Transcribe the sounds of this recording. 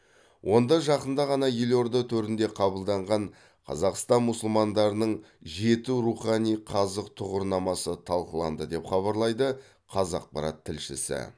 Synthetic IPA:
wʔo̞nd̪ɑʒɑqənd̪ɑʁɑnɑjelʲo̞ɾd̪ət̪ʰɵɾɪnd̪e̞qʰɑbəlˠd̪ɑɴʁɑɴ | qʰɑ̰zɑqst̪ɑnmʊsʊlˠmɑnd̪ɑɾənəɴ | ʒe̞t̪uɾuχɑnijqʰɑzəq̚t̪ʰʊʁəɾnɑmɑsət̪ʰɑlˠqəlˠɑ̰nd̪əd̪e̞pχɑβɑɾlˠɑjd̪ə | qʰɑzɑ̰q̚pɑɾɑ̰t̪ʰːɪlʃɪ̰sɪ̰

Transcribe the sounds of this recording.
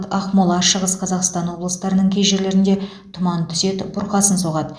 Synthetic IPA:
t̪ɑχmolˠɑʃəʁəsqʰɑzɑqst̪ɑnwo̞blˠəst̪ɑɾənəɴkʲʰejʒe̞ɾle̞ɾɪnd̪e̞ | t̪ʰʊmɑnt̪ʰʏ̥se̞t̪bʊɾqɑsənsoʁɑd̪ə

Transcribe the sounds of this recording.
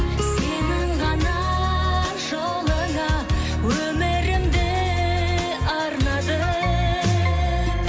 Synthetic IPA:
senɪɴʁɑnɑ | ʒo | lˠəɴɑ | wɵmeɾɪmd̪e | ɑɾnɑd̪ə

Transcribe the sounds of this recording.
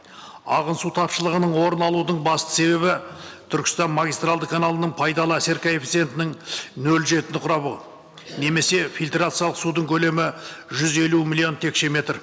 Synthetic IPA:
ɑ̰ʁənsut̪ʰɑpʃəlˠəʁənəɴwo̞ɾənɑlˠud̪əɴbɑst̪ə̥se̞βe̞βɪt̪ʰʏɾkʲɪ̥st̪ɑnmaɡʲijst̪ralˠd̪əkʰanalˠənəɴpʰɑjd̪ɑlˠəæse̞ɾkʲaefʲit̪sije̞nt̪ɪnɪŋnɵlʒe̞t̪ɪnɪqʰʊɾɑbə | ne̞me̞se̞fʲilt̪rat̪sɨjalˠəqsud̪əɴkʲʰɵle̞mɪʒʏze̞lumilʲio̞nt̪ʰe̞kʃe̞me̞t̪r

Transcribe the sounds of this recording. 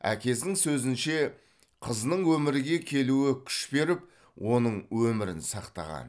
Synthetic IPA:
æ̰kʲe̞sd̪ɪŋsɵzɪnʃe̞ | qʰəznəɴwɵmɪɾɪɡʲe̞kʲʰe̞luɪkʲʰʏ̥ʃbe̞ɾɪp | wʔo̞nəɴwɵmɪɾɪ̰nsɑqt̪ɑ̰ʁɑ̰n

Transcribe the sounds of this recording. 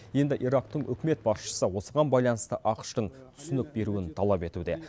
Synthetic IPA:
je̞nd̪ɪʔiɾɑqt̪əɴʔʏ̰kʲɪme̞t̪̚bɑsʃə̥səwo̞səʁɑnbɑjlˠɑnəst̪əʔɑqə̥ʃt̪əɴt̪ʰʏ̥sɪnɪk̚be̞ɾuɪnt̪ʰɑlˠɑpe̞t̪ud̪e̞

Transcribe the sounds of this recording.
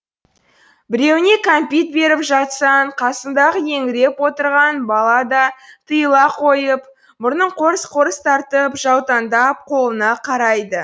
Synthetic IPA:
bɪɾe̞wɪne̞kʰompit̪̚be̞ɾɪpʒɑt̪sɑɴqʰɑsənd̪ɑʁəje̞ŋɪɾe̞pwo̞t̪əɾʁɑnbɑlˠɑd̪ɑt̪ʰəjəlˠɑqʰo̞jəp̚ | mʊɾnəɴqʰo̞ɾəsqʰo̞ɾəst̪ʰɑɾt̪əpʒɑwt̪ɑnd̪ɑp̚qʰo̞lˠənɑqʰɑɾɑjd̪ə

